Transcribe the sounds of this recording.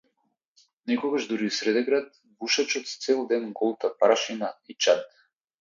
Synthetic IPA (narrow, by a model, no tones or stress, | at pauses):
nɛkɔɡaʒd̪uɾiusɾɛd̪ɛɡɾat̪̚ | vuʃat͡ʃɔt̪st̪sɛlˠd̪ɛnɡɔlˠt̪apɾaʃinait͡ʃat̪